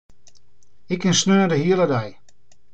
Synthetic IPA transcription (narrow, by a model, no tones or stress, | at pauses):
ɪkɪnsnøːədəɦiələdaj